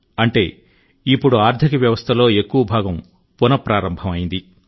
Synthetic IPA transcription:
ɐɳʈe̞ː | ipːuɽuaːɾd̪ʰʱikɐʋjɐʋɐst̪ʰɐlo̞ːe̞kːuʋɐbʱaːɡɐm | punɐpɾaːɾɐmbʱɐmɐjind̪i

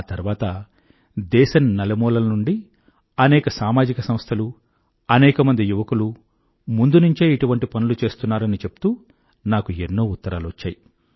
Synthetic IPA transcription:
aːt̪ɐɾuʋaːt̪ɐ | d̪ɛːʃɐnnɐlɐmɔːlɐlɐnuɳɖi | ɐnɛːkɐsaːmaːd͡ʒikɐsɐmst̪ʰɐlu | ɐnɛːkɐmɐnd̪ijuʋɐkulu | mund̪unuɲt͡ʃeːiʈuʋɐɳʈipɐnulut͡ʃe̞ːst̪unːaːɾɐnit͡ʃe̞pu̥t̪uː | naːkuenːo̞ːut̪ːɐɾaːluʋɐt͡ʃːa̰ːji

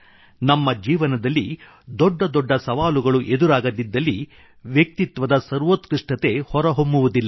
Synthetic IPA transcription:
nɐmːɐd͡ʒiːʋɐnɐd̪ɐlːi | d̪ɔɖːɐd̪ɔɖːɐsɐʋaːluɡɐɭuʔed̪uɾaːɡɐd̪id̪ːɐlːi | ʋjɐk̚t̪it̪ʋɐd̪ɐsɐɾʋot̪kiʂʈɐt̪e̞hɔɾɐɦombuʋud̪ilːɐ

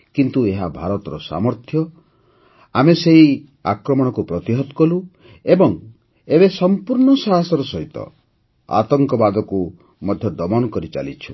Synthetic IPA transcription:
kint̪ueɦabʱaɾɔt̪ɔɾɔsa̰mɔɾt̪ʰjɔ | ameseɦi | akɾɔmɔɽ̃ɔkupɾɔt̪iɦɔt̪kɔlu | ebɔŋ | ebesɔmpuɾɳɔsaɦasɔɾɔsɔɦit̪ɔ̰ | a̰t̪ɔŋkɔbad̪ɔku | mɔd̪ʱjɔd̪ɔmɔnɔkɔɾit͡ʃa̰lit͡ʃʰṵ

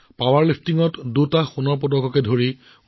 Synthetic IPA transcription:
pawaɹlipʰtiŋɔtdutaxunɔɹp̬ɔdɔkɔkɛdʱoɹi

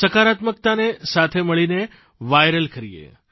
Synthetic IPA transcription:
səkaɾat̪mək̚t̪anesat̪ʰeməɭine | ʋajɾəlkəɾijḛ

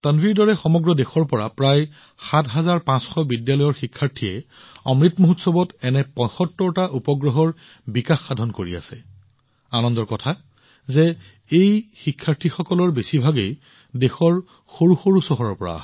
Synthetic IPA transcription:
tanviɹdɔɹɛxɔmɔɡɹɔdexɔɹpɔɹa̰pɹaj | xatʰɦazaɹpãsxɔbidjalɔjɔɹxikʰːaɹtʰijɛ̰ | ɔmɹitmoɦutsɔbɔtɛnɛpɔ̃jxɔtːɔɹtaʔupɔɡɹɔɦɔɹ | bikaxːadʱɔnkoɹḭa̰sɛ | anɔndɔɹkɔtʰa | zɛ | ejxikʰːaɹtʰixɔkɔlɔɹbesibʱaɡej | dexɔɹ | xoɹuxoɹusɔɦɔɹɔɹpɔɹa̰

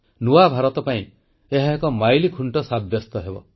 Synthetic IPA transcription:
nuwabʱaɾɔt̪ɔpaĩ | eɦaekɔmajlikʰuɳʈɔsabjɔst̪ɔɦebɔ̰

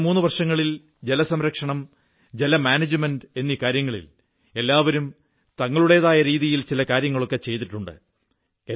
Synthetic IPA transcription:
muːnːɨʋɐrʂɐŋːɐɭil | d͡ʑe̞lɐsɐmɾɐkʂɐɳɐm | d͡ʑelɐmaːnɐd͡ʑɨmenɖe̞nːikaːɾjɐŋːɐɭḭl | e̞lːaːʋɐɾum | t̪ɐŋːɐɭuɽe̞jðaːjɐɾiːðijilt͡ɕilɐkaːɾjɐŋːɐɭo̞kːe̞t͡ɕe̞jt̪̬iʈːuɳɖɨ̰ | e

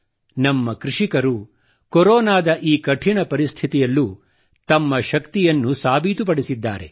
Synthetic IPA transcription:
nɐmːɐkɾiʂikɐɾu | kɔɾɔːnaːd̪ɐʔiːkɐʈʰiɳɐpɐɾist̪ʰit̪ijɐlːu | t̪ɐmːɐʃɐkt̪ijɐnːusaːbʱit̪up̬ɐɽisid̪ːa̰ːɾe̞̰

